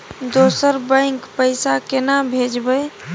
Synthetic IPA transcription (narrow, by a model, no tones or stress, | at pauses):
d̪osəɾbə̃ɪ̃kpəɪsakenabʱed͡ʒbəj